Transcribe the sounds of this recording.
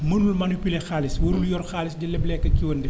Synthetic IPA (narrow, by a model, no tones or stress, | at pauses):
mənulmɐnupylexaːliswəɾuljɔɾxaːlisdilɛblɛkːɐkiwɐndi